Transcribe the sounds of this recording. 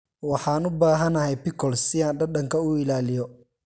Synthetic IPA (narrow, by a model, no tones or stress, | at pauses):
wɑħɑːnʊbaːɦɐnɐɦɛjpɪkʰɔlsɪaːnɖɐɖɐŋkʰɐʊɪlaːlɪjɔ